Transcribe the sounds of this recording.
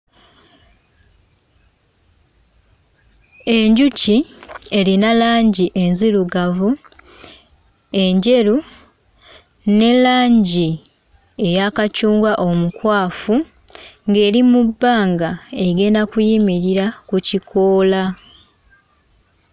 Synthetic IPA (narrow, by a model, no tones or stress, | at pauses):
e̞ɲɟucie̞linalaːɲɟiʔe̞nziluɡavu | e̞ɲɟe̞ɾu | ne̞laːɲɟi | e̞jakacuːŋɡwaʔo̞mukwaːfu | ŋɡe̞ːɾimubːaːŋɡae̞ɡe̞ːndakujimiɾiɾakucikʰoːla